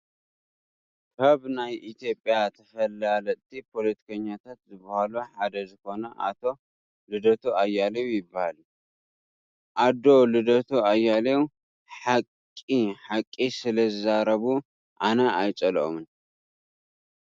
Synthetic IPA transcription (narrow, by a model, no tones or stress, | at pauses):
kʰɐβnajʔit̪ʰijo̞pʼjat̪ʰɐfɐlalɐt̪ʰipʰo̞lɐt̪ʰi̥kʰɐɲːat̪ʰat̪zɨbahaluħad̪ɐzɨko̞nɐʔa̰t̪ʰo̞ | lɨd̪ɐt̪ʰuajːalewujɪbːahalu | ʔad̪o̞lɨd̪ɐt̪ʰuajːalew | ħakʼːiħakʼːisɨlɐzɨzaɾɐβu | ʔanɐajt͡ʃʼɐlʔo̰mɨn